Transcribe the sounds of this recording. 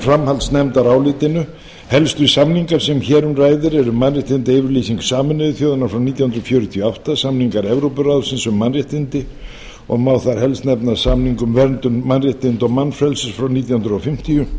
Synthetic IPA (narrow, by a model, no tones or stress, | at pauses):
fɾamhalt̪snɛmt̪aɾaːwlɪːt̪ɪnʏ | hɛlst̪ʏʏisamniŋkaɾ̥sɛmçɛːɾʏmraːjðɪɾɛɾʏmanrɪht̪ɪnt̪ɪevɪɾliːsiŋksaːmɪnʏðʏθjoːwðɪnaɾfɾawniːt̪jahʏnd̪ɾfjœːɾʏt̪ʰijɔaft̪asamniŋkaɾɛvɾowpʏraðsɪnsʏmːanrɪht̪ɪnt̪ɪ | ɔ̰ɣmaːwθaɾ̥hɛlst̪nɛpnaðsamniŋkʏmvɛɾnt̪ʏnmanrɪht̪ɪnt̪ɔɣmanfɾɛlsʏsfɾawniːt̪jahʏnɾɔfɪm̥t̪ijʏ